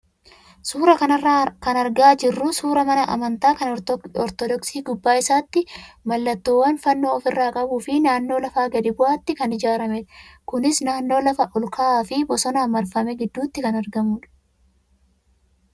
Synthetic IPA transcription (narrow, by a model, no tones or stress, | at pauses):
suːɾɐkɐnɐrːakɐnɐɾɡaːd͡ʒɪrːʊsuːɾɐmɐnɐʔɐmɐnt̪aːkɐnɔɾt̪ɔɾt̪ɔd̪ɔksiːɡʊbːaːɪsaːt̪ːɪmɐlːɐt̪ːoːwːɐnfɐnːo̞ːfɪrːaːkʼɐbuːfɪnaːnːo̞ːlɐfaːɡɐd̪ɪbʊʔaːt̪ːɪkɐnɪd͡ʒaːɾɐmɛᶑ̪kʊnɪsnaːnːo̞ːlɐfɐʔʊlkaaːfɪbɔsɔnɐmɐɾfɐmɛɡɪd̪ːuːt̪ːɪkɐnɐɾɡɐmuːᶑɐ̥